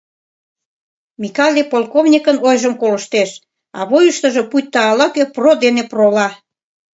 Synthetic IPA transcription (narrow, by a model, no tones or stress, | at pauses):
mikɑlʲepolkovnʲikənojʒəmkolə̆ʃt̪eʃ | ɑ̰βojuʃt̪ə̆ʒɤ̽puj̚ʲt̪ːɑːlɑkøprod̪eneprolɑ